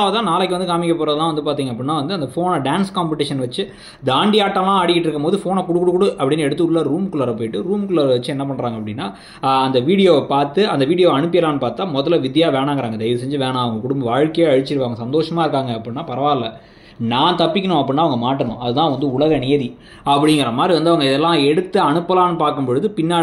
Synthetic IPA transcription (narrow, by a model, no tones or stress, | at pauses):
aːʋɐt̪ãːnaːlɐkːʋɐnd̪ɯkaːmɪkʲːɐpːoːɾɐðɐlãːʋɐnd̪ɯpaːɾt̪̬iːŋɐpːɐɽɪnːaːʋɐnd̪ɯɐnd̪ɐfoːnɐɖaːnskaːmpɪʈɪʂɐnʋɐt͡ʃːɯ | d̪aːɳɖɪaːʈːɐmãːaːɽɪkːɪʈːɾɯkːɐmpoːðɯfoːnɐkʊɽɯkːʊɽɯkːʊɽɯʔɐpːɐɽɪnːɛɽɯt̪ːɯʊlːaːɾuːmkʊlɐɾɐp̬oːjɪʈːɯɾuːmkʊlɐɾɐʋɐt͡ʃːɯɛnːɐp̬ɐɳːɾaːŋɡɐpːɐɽɪnːaː | ɐnd̪ɐʋiːɽɪjoːpaːɾt̪ɯɐnd̪ɐʋiːɽɪjoːɐɳɯp̬ːɪjɐlaːnɯpaːɾt̪ːaːmɔððɐlɐʋɪðjaːʋeːɳaːŋɡɪɾaːŋɡɐd̪ɐɪɾɐsɛɲd͡ʒɯʋeːnãːɐʋɐŋɡɐkʊɽʊmbɐʋaːɻkːɐjeɐɻɯt͡ʃːɪɾɯʋaːʋɐŋɡɐsɐnd̪oːʂɐmaːɪɾɯkːaːŋɡɐɐpːɐɽɪnːaːpɐɾɐʋaːllɐ | naːt̪ɐpːɪkʲːɐɳʊ̃ɐp̬ːɐɽɪnːaːʋɐŋɡɐmaːʈːɐɳʊ̰̃ʔɐðɯt̪ãːʋɐnd̪ɯʊɭɐɣɐneːði | ɐpːɐɽɪŋɡɪɾɐmaːd̪ɾiʋɐnd̪ɯɐʋɐŋɡɐɪðɛlːãːɛɽɯt̪ːɯɐɳɯpːɐlaːnɯpaːɾkɯmpboːɻɯðɯpɪnːaː